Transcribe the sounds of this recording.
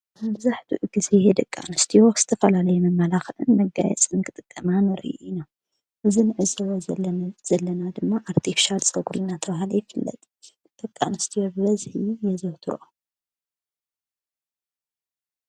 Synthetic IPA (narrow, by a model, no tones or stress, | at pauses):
mɐbzaħd̪uʔɡizejed̪ɐkʼːa̰nɐst̪ʰijokz̥ɨ̥t̪ʰɐfɐlalɐjɛmɐmːɐlaxɨʔɨnmɐɡa̰jɛ̰t͡sʼɨnkʰɨt̪ʼɨkʼːɐmanɨɾɨ̰jʔina | ʔɨzinɨʕɨzɐwoz̥ɐlːɐnad̪ɨmːaʔaɾt̪ʰifi̥ʃalt͡sʼɐɡuɾunat̪ʰɐβahɨlojɪfɨlːɐ̰t̪ʼ | d̪̥ɐkʼːanɐst̪ʰijobɨβɐzhijɛzoht̪ʰɨɾʔo